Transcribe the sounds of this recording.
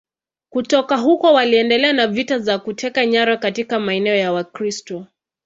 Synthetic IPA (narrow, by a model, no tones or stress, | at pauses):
kutɔkaɦukɔwaliɛndɛlɛanavitazakutʰɛkaɲaɾakatikamaɛnɛɔjawakɾistɔ